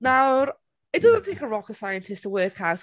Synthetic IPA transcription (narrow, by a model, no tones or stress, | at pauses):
nawɾ | ɪt̚d̥ʌzə̃ntʰθẽŋkəɹɔkəsajə̃ntʰɪstʰəwɜːkʰawt